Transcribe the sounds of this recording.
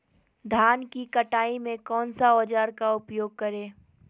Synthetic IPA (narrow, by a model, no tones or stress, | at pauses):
d̪ʱaːnkikɐʈaːimẽkɔːnsaɔːd͡ʒaːɾkaʊpjoːɡ̚kɐɾẽː